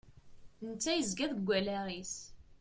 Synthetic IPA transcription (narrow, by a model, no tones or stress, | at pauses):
nt͡sːæjəzɡæðəɡʷːælæʁis